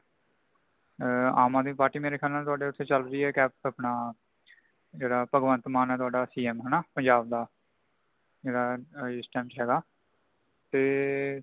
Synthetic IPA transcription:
aːmãːd̪ĩːpaːʈiːmeːɾeːkʰɛːlãːt̪ʊaːɖeːʊt̪ʰːeːt͡ʃəlɾiːɛːkɛːpapnaː | d͡ʒeːɽaːpəɡʋə̃nt̪maːnɛːt̪ʊaːɖaːsiːɛmɦɛnaːpənd͡ʒaːb̚d̪aː | d͡ʒeːɽaːɪsʈɛ̃ːmt͡ʃɦɛːɡaː | t̪eː

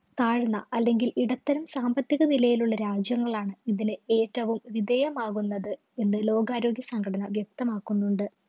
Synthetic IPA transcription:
kaːɻunːɐ̰ʔɐlːe̞ŋɡiliɽɐt̪ːɐɾumsaːmbɐt̪jiɣɐnilɐjiluɭːɐɾaːd͡ʑjɐŋːɐɭaːɳɨiðinɨe̞ːtːɐʋumʋid̪ejɐmaːɣunːɐðɨ | e̞nːɨlo̞ːɡaːɾo̞ːɡjɐsɐŋɡʰʱɐɽɐnɐʋjɐk̚t̪ɐmaːkːunːuɳɖɨ

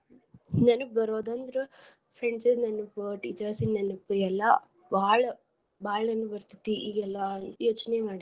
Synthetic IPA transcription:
nɐnubɐɾoːd̪ɐnd̪ɐɾu | pʰɾeɳɖsenɐnːupːuʈiːt͡ʃɐɾsinɐnːupːɐɛlːɐ | baːɭɐ | baːɭɐnɐnːubɐɾt̪i̥t̪ːiʔiːɡɛlːɐnjoːt͡ʃnemaːɽi

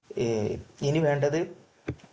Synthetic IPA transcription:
eniʋe̞ːɳɖɐðɨ

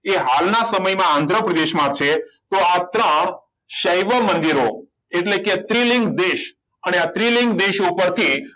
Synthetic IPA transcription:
eɦalnasəməjmããnd̪ʱɾəpɾəd̪eʃmãt͡ʃʰet̪oat̪ɾəɳ̃ | ʃəjʋəmənd̪iɾo | eʈleket̪ɾilɪŋɡd̪eʃ | əneat̪ɾilɪ̃ŋɡd̪eʃupəɾt̪ʰi

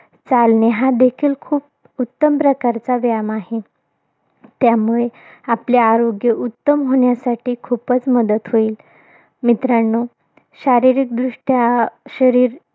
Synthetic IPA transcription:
t͡salneɦad̪ekʰiːlkʰuːp̚ | ut̪ːəmpɾəkaɾt͡saʋjamaɦe | t̪jamuɭe | apleaɾoɡjəʔut̪ːəmɦoɳjasaʈʰiːkʰupət͡sməd̪ət̪ɦoiːl | mit̪ɾaɳːo | ɕaɾiɾik̚d̪ɾuʂʈjaɕəɾiːɾ

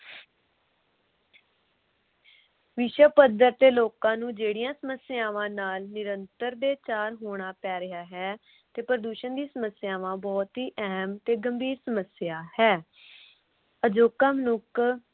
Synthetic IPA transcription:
ʋɪʃəpəd̪əɾt̪eːloːkãːnũːd͡ʒeːɽijãːsəməsɪjaːʋãːnaːlnɪɾənt̪əɾd̪eːt͡ʃaːɾɦoːɽ̃aːpɛːɾɪaːɦɛː | t̪eːpɾəd̪uːʃənd̪iːsəməsɪjaːʋãːbɔːt̪ɦiːʔɛːɦmt̪eːɡəmbiːɾsəməsɪjaːhɛː | əd͡ʒoːkaːmənʊkʰ

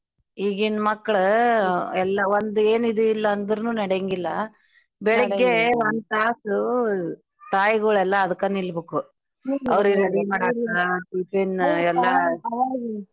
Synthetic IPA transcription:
iːɡinmɐkːɐɭ | ɛlːɐʋond̪ueːnid̪uilːɐːnd̪ɾunuːnɐɽeŋɡilːɐ | bɛɭɐɡːeond̪t̪aːsu | t̪aːjɡuɭɛlːɐːd̪ɐkːɐnilbeːku | ɐ̰ʋɾɡeɾeɽimaːɽiɾaʈiːʈɾinɛlːɐ

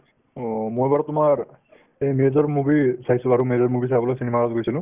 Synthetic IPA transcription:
mojbaɹɔtumaɹ | emezɔɹmubisajsulaɹumezɔɹmubisabɔlɔksinemaɡazɡojsʰilʊ̃

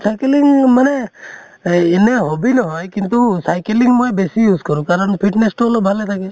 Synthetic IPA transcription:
sajkeliŋɡməne | eneɦobinəɦɔjkint̪usajkeliŋɡmɔjbesijuːzkəɾũkaːɾəɳpʰiʈnesʈoːlobʱalet̪ʰake

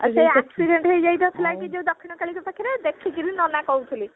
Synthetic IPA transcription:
ə̰d͡ʒejksiɖeɳʈɦəjd͡ʒajt̪ɔt̪ʰilajkid͡ʒew̃d̪ɔkʰːinɔkaɭikɔpakʰiɾed̪ekʰikiɾinɔnakɔwt̪ʰili

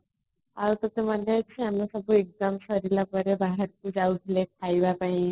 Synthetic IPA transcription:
aɾt̪ɔt̪em̤ənat͡ɕʰiamasəbʱuek̚d̪əmsəɾilapəɾebaɦeɾkud͡ʑaud̪ʰʱilekʰajbapaĩ

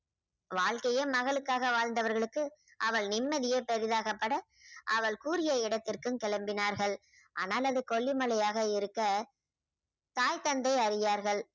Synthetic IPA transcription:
ʋaːɭkɐjɐmɐɣɐɭɯkːaːɣɐʋaːɻnd̪ɐʋɐɾɣɐɭɯkːɯ | ʔɐʋɐɭnɪmːɐðɪjɐpːɐɾɪðaːɣɐpːɐɽɐ | ʔɐʋɐɭkuːɾɪjɐɪɽɐt̪ːɪrkɯmkɛɭɐmbɪnaːɾɣɐɭ | ʔa̰ːnaːlɐðɯkɔɭːɪmɐlɐjaːɣɐɪɾɯkːɐ | t̪aːjt̪ɐnd̪ɐɪɐɾɪjaːɾɣɐɭ

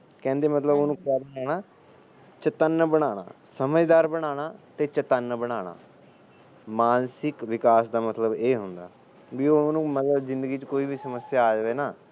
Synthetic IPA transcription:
kɛ̃ːnd̪eːmət̪ləboːnũːkaɾɛːɽ̃aː | t͡ʃət̪ənːbəɽ̃aːɽ̃a̰ːsəməd͡ʒd̪aːɾbəɽ̃aːɽ̃aːt̪eːt͡ʃət̪ənːbəɽ̃aːɽ̃a̰ː | maːnsɪkʋɪkaːsd̪aːmət̪ləbeːɦʊnd̪a̰ː | biːoːnũːmət̪ləbzɪ̃nd̪əɡiːt͡ʃkoːiːbiːsəməsːjaːaːd͡ʒʋeːnaː

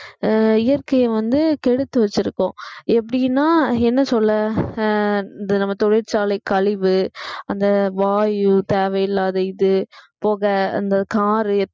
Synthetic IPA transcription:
ɪjɐɾkɐjɐʋɐnd̪ɯkɛɽɯt̪ːɯʋɐt͡ʃːɪɾɯkːõɛp̬ːɐɽɪnːaːɛnːɐsɔlːɐ | ɪðɯnɐmːɐt̪ɔɽɪɾt͡ʃaːlɐɪkɐɭɪʋɯɐnd̪ɐʋaːjɯt̪eːʋɐjɪlːaːðɐɪðɯpoːɣɐɐ̰nd̪ɐkaːɾɯ

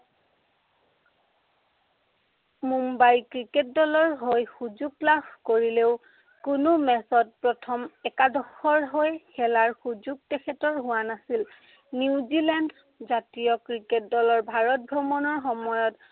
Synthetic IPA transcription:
mumbajkɹiket̚dɔlɔɹɦojxuzuɡ̚labkoɹileʊ | kʊnʊmɛsɔt̚pɹɔtʰɔmɛkadɔxɔɹɦojxɛlaɹxuzuɡ̚tɛxʰɛtɔɹɦʊwanasil | niziland | zatijɔkɹiket̚dɔlɔɹbʱaɹɔt̚bʱɹɔmɔnɔɹxɔmɔjɔt

